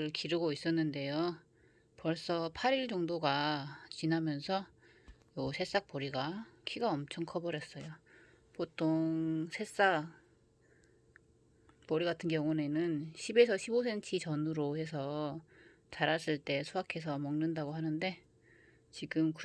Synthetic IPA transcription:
ɭkiɾɯɡois͈ʌnːɯnde̞jo | pʌɭs͈ʌpʰaɾiɭd͡ʑʌŋdoɡat͡ɕinɦamjʌnsʰʌ | josʰe̞s͈ak̚p͈ʌɾiɡakʰiɡaʌmt͡ɕʰʌŋkʰʌbʌɾjʌs͈ʌjo | potʰoŋŋsʰe̞s͈ak̚ | pʌɾiɡatʰɯnɡjʌŋune̞nɯnɕʰibe̞sʰʌɕʰibosʰe̞nt͡ɕʰit͡ɕʌnuɾohe̞s̬ʰʌ | t͡ɕaɾas͈ɯɭt͈e̞sʰuakʰe̞s̬ʰʌmʌŋnɯndaɡoɦanɯnde̞ | t͡ɕiɡɯmk

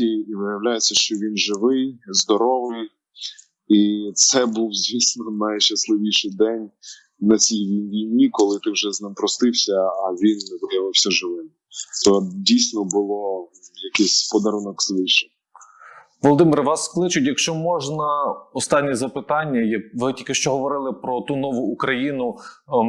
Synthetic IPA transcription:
iiʋɪjɐwlʲajet͡sʲːɐʃt͡ʃɔʋʲinʒɪʋɪjzd̪ɔɾɔʋɪj | it̪sɛbuwzʲʋʲisʲnɔnɐjʃɐslˠɪʋʲiʃɪjd̪ɛnʲ | nɐt͡sʲijʋʲijnʲʋʲijnʲikɔlˠɪt̪ɪwʒɛznɪmpɾɔst̪ɪwsʲɐːʋʲinːʋɪjɐʋɪwsʲɐʒɪʋɪmɪt̪ɔdʲijsʲnɔbʊlˠɔjɐkɪsʲpɔd̪ɐɾunɔkz̥ʋɪʃɪ | ʋɔlˠɔd̪ɪmɪɾʋɑsklˠɪt͡ʃʊtʲjɐkʃt͡ʃɔmɔʒnɐɔst̪ɑnʲːizɐpɪt̪ɑnʲːɐjɐʋɪtʲilʲkɪʃt͡ʃɔɦɔʋɔɾɪlˠɪpɾɔt̪unɔʋʊːkɾɐjinʊ

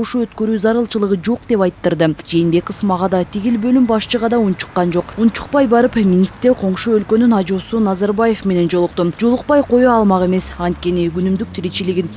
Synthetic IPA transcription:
uʃuø̞t̪køɾyːzɑɾɯlˠt͡ʃɯlˠɯʁɯd͡ʒo̞qd̪e̞pɑjt̪ːɯɾd̪ɯd͡ʒe̞ːnbe̞ko̞fmɑʁɑd̪ɑt̪ʰiɡʲilbø̞lymbɑʃt͡ʃɯʁɑd̪ɑunt͡ʃu̥qːɑnd͡ʒo̞qunt͡ʃu̥q̚pɑjbɑɾɯpmʲinʲist̪ɾd̪eqʰo̞ɴʃuølkø̞nynɑd͡ʒo̞sunɑzɑɾbaje̞fme̞ne̞nd͡ʒo̞lˠuq̚t̪umd͡ʒo̞lˠuq̚pɑjqʰo̞joɑlˠmɑʁe̞me̞sɑnt̪̚kʲe̞niɡynymd̪yk̚t̪ʰiɾit͡ʃiliɡʲin

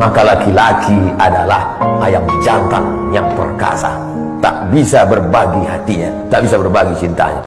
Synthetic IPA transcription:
makalakilakʰiadalahajaŋd͡ʒant̪a̰ŋ | jaŋpə̰rka̰sa̰ | t̪a̰ʔbisabərbaɡiɦat̪iɲa | t̪aʔbisabərbaɡit͡ʃint̪a̰ɲa̰

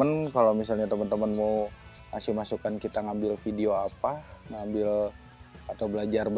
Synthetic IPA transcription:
ənkalawmisalɲat̪əmənt̪əmənmau | masihmasukankit̪aŋambɪlfidioapaŋambɪl | at̪awbəlad͡ʒarb

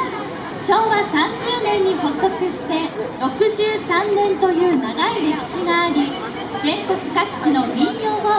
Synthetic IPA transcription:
ɕo̞ːβasãɲd͡ʑɨːnẽ̞ɲ̟ːiho̞t͡so̞kɯ̟ɕi̥t̪e̞ɾo̞kɯ̟ʑɨːsãnːẽ̞nt̪o̞jɯ̟ːnaɡaiɾe̞kʲi̥ɕiɡaːɾʲi | ɡẽ̞ŋko̞kɯ̟̥kakɯ̟̥t͡ɕino̞mʲĩɰjo̞ːɡo

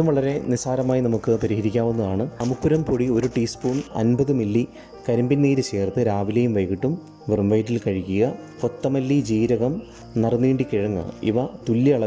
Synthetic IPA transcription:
umʋɐɭɐɾe̞nisaːɾɐmaːjinɐmukːɨpɐɾihɐɾikʲːaːʋunːɐðaːɳɨɐmukːuɾɐmpoɽio̞ɾuʈiːspuːnɐ̰nbɐðɨmilːi | kɐɾɐmbinniːɾɨt͡ɕe̞ːrt̪ɨɾaːʋilɐjumʋɐjɣiʈːum | ʋɨrmʋɐjtːilkɐɻikʲːuɣɐ | kot̪ːɐmɐlːid͡ʑiːɾɐɣɐm | nɐrnːiːɳɖikiɻɐŋːɐ̰ḭʋɐt̪ulːiɐɭɐ

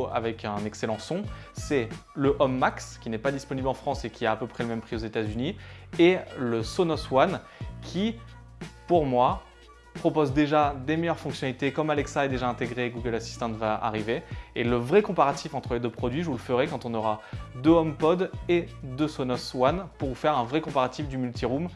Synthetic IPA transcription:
a̰vɛkɛ̃nɛkselɑ̃sɔ̃ | sɛləʔɔmːakskʲinɛpad̪ispɔniblɑ̃fχɑ̃sekʲiaːpøpχɛləmɛmpχiozet̪azynieləsɔnɔswan | kʲʰi | puʁmwa | pχɔpozd̪eʒad̪emejœʁfɔ̃ksjɔnalit̪ekɔmalɛksaɛd̪eʒaɛ̃t̪eɡʁeɡuɡəlasi̥st̪ɑ̃t̪vaa̰ʁiveːləvʁɛkɔ̃paʁat̪ifɑ̃t̪χəled̪øpχɔd̪ɥiʒulfəʁekɑ̃t̪ɔ̃nɔʁad̪øɔmpɔd̪ed̪øsɔnɔswanpuʁvufɛʁɛ̃vʁɛkɔ̃paʁat̪ifd̪ymylt̪iʁum

